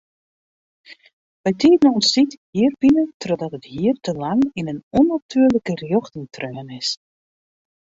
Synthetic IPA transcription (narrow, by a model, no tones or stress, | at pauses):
ʋɛjtʰiːtənɔnsithiːərbinətrɔdɔtəthiːərtʰəlaŋinənɔnatʰyːərləkərjɔxtɪŋtʰrøːnɪs